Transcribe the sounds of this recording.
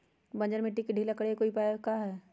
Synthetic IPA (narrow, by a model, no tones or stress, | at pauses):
bɐ̃nd͡ʒəɾmẽʈikːeɖʱiːlakəɽekoːipaːkaɦɛ